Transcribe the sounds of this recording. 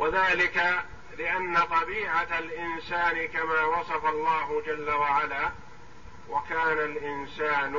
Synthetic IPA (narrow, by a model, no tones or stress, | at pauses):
wʔaðaːlɪka | lɪʔanːat̪ˤɑbiːʕaalʔɪnsaːnɪkamaːwɑsˤɑfɑlˤːɑːɦʊd͡ʒalːawaʕalaː | wakaːnalʔɪnsaːn